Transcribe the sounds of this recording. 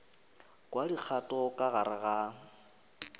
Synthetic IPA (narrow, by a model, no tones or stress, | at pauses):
kʼwadik͡xʰatʼɔkʼaɣaɾaɣa